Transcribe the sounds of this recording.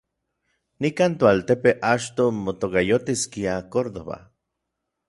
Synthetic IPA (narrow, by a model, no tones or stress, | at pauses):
nikaːnt̪oalt̪epeʔat͡ʃt̪omot̪okajot̪iskiakoɾðo̰βa̰